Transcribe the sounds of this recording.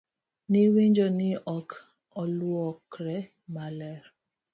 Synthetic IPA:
niwend͡ʒɔniʔɔk | ɔluɔkɾɛ | malɛɾ

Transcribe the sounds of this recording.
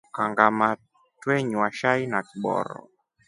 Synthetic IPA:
kaŋɡama | twɛɲwaʃainakiɓɔ̰ɾɔ̰

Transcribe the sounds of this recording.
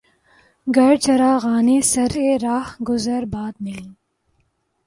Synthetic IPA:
ɡɐɽt͡ʃɐɾaːɣaːneːsɐɾeːɾaːhɡʊzəɾbaːt̪̚mɪlĩː

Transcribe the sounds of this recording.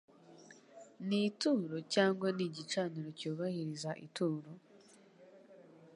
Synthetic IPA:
nituːɾo̞caːŋɡwaniɟit͡ʃaːniɾo̞cuːβahiɾizaʔḭtuːɾo̞

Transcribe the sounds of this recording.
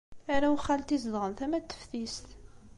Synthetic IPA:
æɾæwχːælt̪izðʁənθæmæt̪ːə̥fθist̪

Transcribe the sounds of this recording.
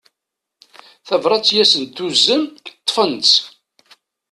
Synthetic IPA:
θævɾˤɑt͡sːjæsənt̪ːuzːəmt̪ˤːfənt͡s

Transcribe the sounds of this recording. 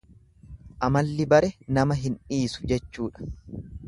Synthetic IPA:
ʔɐmɐlːɪbɐɾɛnɐmɐɦɪnᶑiːsʊ̥d͡ʒɛt͡ʃːuːᶑɐ̥

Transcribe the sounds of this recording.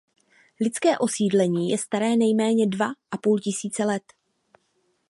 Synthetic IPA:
lɪt͡skɛːʔo̞siːdlɛɲiːjɛst̪aɾɛːnɛjmɛːɲɛdvaʔapuːlcɪsiːt͡sɛlɛt̪

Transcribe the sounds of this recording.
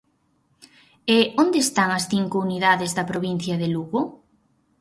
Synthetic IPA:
eond̪eːst̪aŋɐsθiŋkʊuniðaðɪzðɐpɾoβin̟θjɐðeluɣʊ

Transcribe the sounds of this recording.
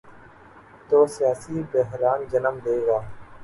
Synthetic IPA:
t̪oːsɪjaːsiːbəɦɾaːnd͡ʒənəmd̪eːɡaː

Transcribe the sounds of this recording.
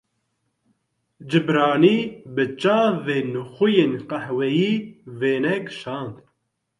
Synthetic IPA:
d͡ʒɨbɾɑːniːbɨt͡ʃaːveːnɨxujeːnqahwɛjiːveːnɛɡʃɑːnd̪

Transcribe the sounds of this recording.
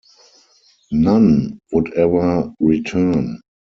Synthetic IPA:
nãnwʊdɛvə˞ɹitʰɜ˞n

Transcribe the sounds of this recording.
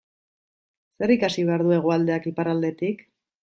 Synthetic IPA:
se̞ɾikasiβe̞aɾð̞ue̞ɣ̞uald̪e̞akipaɾald̪e̞t̪ik

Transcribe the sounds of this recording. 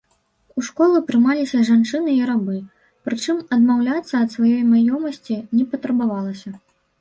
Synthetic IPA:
uʂkɔlˠupɾɨmalʲisʲɐʐant͡ʂɨnɨiɾabɨ | pɾɨt͡ʂɨmɐd̪mawlʲat̪sːɐːt̪svajɔjmajɔmɐsʲt͡sʲinʲɛpɐt̪ɾɐbavalˠɐsʲɐ

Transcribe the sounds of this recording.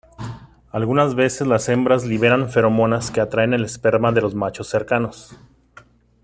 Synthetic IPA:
alɣunazβe̞sezlase̞mbɾazliβ̞e̞ɾaɱfe̞ɾo̞mo̞naske̞at̪ɾaene̞lespe̞ɾmaðe̞lo̞zmat͡ʃo̞sːe̞ɾkanos

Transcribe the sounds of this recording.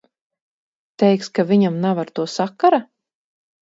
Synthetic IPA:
t̪ɛjkskavʲiɲamnavaɾt̪uɔsakːaɾa

